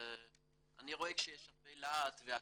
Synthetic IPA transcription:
aniʁo̞ekʃejɛʃafejlat̪vea

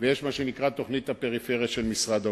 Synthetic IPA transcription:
vejeʃmaʃenikʁat̪o̞χnit̪hape̞ʁifeʁijaʃelmisʁad̪a

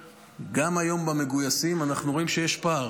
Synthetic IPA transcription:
ɡamajo̞mbame̞ɡujasimanaχnuʁo̞imʃe̞jeʃpaʁ

